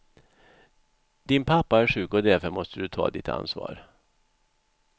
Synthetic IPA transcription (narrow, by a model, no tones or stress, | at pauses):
d̪ɪnpʰapːaæɾʂʉ̟ːkɔd̪æɾfœɾmɔst̪əd̪ɵt̪ʰɑ̰ːd̪ɪt̪ʰa̰nsvɑ̰ːɾ